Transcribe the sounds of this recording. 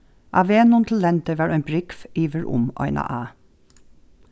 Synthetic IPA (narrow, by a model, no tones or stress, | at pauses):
ʔɑ̰ʋeːnʊnt̪ʰl̩ːɛnt̪əʋɑːɹœʏnbɹɪkfiːʋəɹʔʊ̰mɔ̰ʏnʔa̰ʔɑː